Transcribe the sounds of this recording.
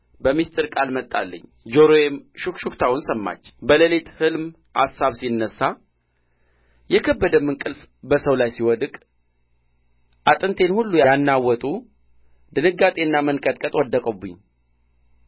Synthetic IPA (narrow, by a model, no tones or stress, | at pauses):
bəmist̪ʰʼɨɾkʼalmət̪ʼːa̰lːə̰ɲː | d͡ʒoɾojemʃukʃukt̪ʰawʊnsəmːa̰t͡ʃːbələlet̪hɨlm | ha̰sːaβsinːəsːa | jɛkʰəbːəd̪əmːɨnkʼɨlf | bəsəwlajsiwɔd̪ɨkʼ | ʔat̪ʼɨnt̪ʰe̞nhulːujajanːawɔt̪ʼu | d̪ɨnɨɡːat̪ʼe̞ɨnːamənkʼət̪ʼkʼət̪ʼwɔd̪ːəkʼəbɨ̰ɲː